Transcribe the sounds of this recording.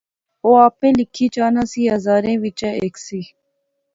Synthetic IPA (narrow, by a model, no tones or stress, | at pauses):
oːaːpẽːlɪkʰːiːt͡ʃaːnãːsiːɦəzaːɾẽːʋit͡ʃəeːksiː